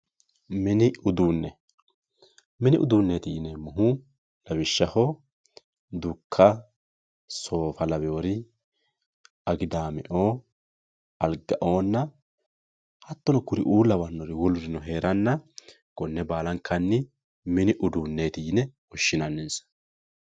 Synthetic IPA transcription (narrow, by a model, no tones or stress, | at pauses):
mɪnɪʊd̪uːnːɛ | mɪnɪʔʊ̰d̪uːnːeːt̪iːnɛmʊɦʊ | lɐβɪʃːɐhɔ | d̪ʊkʰːɐ | so̞ːfɐlɐbɛɔɾɪ | ɐɡɪd̪aːmɛ̰ʔoː | ɐlɡɐʔo̞ːnːɐ | hɐt̪ːɔnɔkʊɾɪʔuːlːɐbɐnːɔɾɪwɔlʊɾɪnɔɦe̞ːɾɐnːɐ | ɡ̥ɔnːɛbaːlɐŋkʰɐnːɪ | mɪnɪʔʊd̪uːnːeːt̪inɛ | ɔʃːɪnɐnːɛnsɐ̥